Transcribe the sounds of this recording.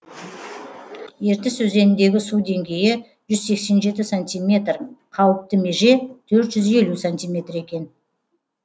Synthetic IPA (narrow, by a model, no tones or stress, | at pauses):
je̞ɾt̪ɪsɵze̞nɪnd̪e̞ɡʲɪsud̪e̞ŋɡʲe̞jɪ | ʒʏzse̞kse̞nʒe̞t̪ɪsant̪ijmʲe̞t̪rqʰɑwəp̚t̪əme̞ʒe̞t̪ʰɵɾt̪ʒ̥ʏze̞lusanʲt̪ʲijmʲe̞t̪re̞kʲe̞n